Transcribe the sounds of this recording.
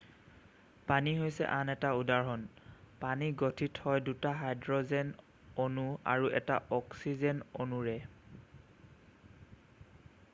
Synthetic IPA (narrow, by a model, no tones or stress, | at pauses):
paniɦojsɛ̰ʔanɛtaudaɹɦɔnpaniɡotʰitʰhɔjdutaɦajdɹɔzɛn | onua̰ɹuʔɛ̰taʔɔksizɛnonuɹɛ